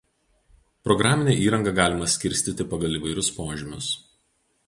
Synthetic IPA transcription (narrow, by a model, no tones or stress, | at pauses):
pɾɔɡɾɑːmʲɪnʲɛˑʔiːɾɐŋɡɐɡɑːlʲɪmɐsʲkʲɪɾʲsʲt̪ʲiˑt̪ʲɪpɐɡɐlˠiːˑʋɐɪɾʲʊspoːʒʲɪmʲʊs